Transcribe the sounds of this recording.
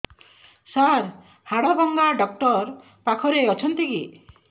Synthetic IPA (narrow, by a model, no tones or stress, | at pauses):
saɾ | haɽɔbɔŋɡaɖɔk̚ʈɔɾ | pakʰɔɾeɔt͡ʃʰɔnt̪iki